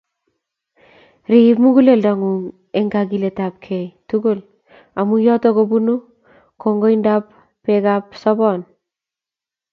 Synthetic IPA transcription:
ɾipmuɡuleldaŋuŋ | eŋɡaɡiletap̚kʰejtuɡol | amujɔtɔkobunu | koŋɡojndap | pːekapsɔbɔn

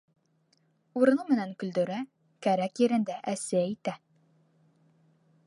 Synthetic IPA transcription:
uɾɤ̆nɤmɘ̆næŋkɵ̆ld̪ɵ̆ɾæ | kæɾækjɘ̆ɾɘ̆nd̪æʔæsɘit̪æ

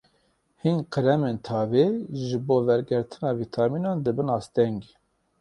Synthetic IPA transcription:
hinqəɾɛmeːnt̪ʰɑːveʒɨboːvɛɾɡɛɾt̪ʰɨnɑːvit̪ʰɑmiːnɑnd̪ɨbɨnɑːst̪ɛŋɡ

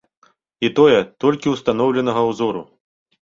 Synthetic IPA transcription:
it̪ɔjɛt̪ɔlʲkʲiwst̪an̪ɔwlʲɛnɐɣɐwzɔɾṵ

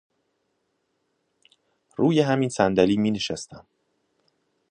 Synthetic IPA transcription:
ɾuːjeɦæminsænd̪æliːmiːneʃæst̪æm

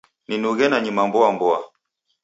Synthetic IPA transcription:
ninuɣɛnaɲimambɔambɔa̰

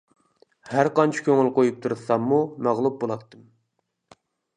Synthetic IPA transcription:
hæɾqɑnt͡ʃʰi̥kʲʰøŋɪlqojup̚t̪ʰuɾɨsɑmːumæʁlˠup̚bolˠɑt̪ʰːɨm

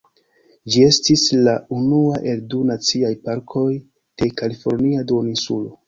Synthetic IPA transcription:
d͡ʒie̞stislaunuaʔe̞ldunat͡siajpaɾkʰo̞j | d̥e̞kalifo̞ɾniadoninsṵlo

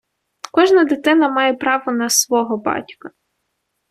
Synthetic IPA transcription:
kɔʒnɐd̪ɪt̪ɪnɐmɑjepɾɑʋɔnɐsʋɔɦɔbɑ̰tʲkɐ

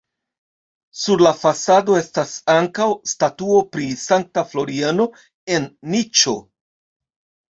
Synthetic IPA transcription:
suɾlafasado̞e̞stasaŋkawstatuo̞pɾisaŋk̚taflo̞ɾiano̞ | e̞nːit͡ʃo̞

